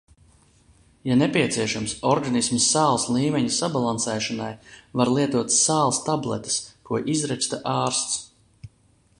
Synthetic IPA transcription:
janɛpʲiɛt̪siɛʃamsɔɾɡanismsːaːlˠslˠiːmɛɲisabalˠansɛːʃanajvaɾlˠiɛt̪uɔt̪saːlˠst̪ablˠɛ̰t̪ḁskuɔʔizɾɛt͡ʃt̪aʔaːɾst̪s

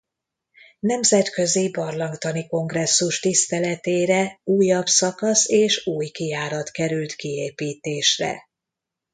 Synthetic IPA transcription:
nɛmzɛt̪kø̞zibɒrlɒŋt̪ɒniko̞ŋɡrɛsːuʃt̪ist̪ɛlɛt̪eːɾɛuːjɒbsɒkɒseːʃuːjkijaːɾɒt̪kɛɾylt̪kieːpiːt̪eːʃrɛ̰

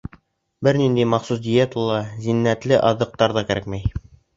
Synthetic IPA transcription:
bɘɾnind̪ijmɑχsusd̪ʲijet̪ulˠɑzinːæt̪lɘʔɑðɤ̆q̚t̪ɑɾðɑkæɾækmæj

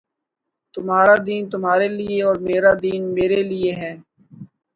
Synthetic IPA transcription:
t̪ʊmɦaːɾad̪iːnt̪ʊmɦaːɾelɪeɔːɾmeːɾad̪iːnmeːɾelɪeɦɛː

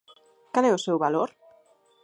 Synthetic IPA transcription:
kalɛʊsewβaloɾ

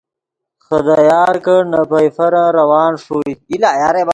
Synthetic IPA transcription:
xɐd̪ajaːɾkɐnɐpɐjfɐɾãɾɐwɑːnʂoːiilaːjaːɾeːb

